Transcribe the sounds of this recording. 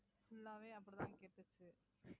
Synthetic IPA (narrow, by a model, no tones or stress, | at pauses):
sʊlːaːʋeːɐpːɐɽit̪ã̰ːnkeːpːɯt͡ʃːɯ